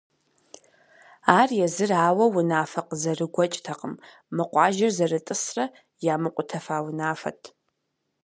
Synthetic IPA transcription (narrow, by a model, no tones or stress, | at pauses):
aːrjɛzɨraːwɐwʊnaːfɐqzɐrɨɡʷɔt͡ʃʼtʰɐqʼəmː | ɨqʷʼɑːʒɐrzɐrɨtʼɨsrɐ | jaːmɨqʷʼʊtʰɐfaːwʊnaːfɐ̰tʰ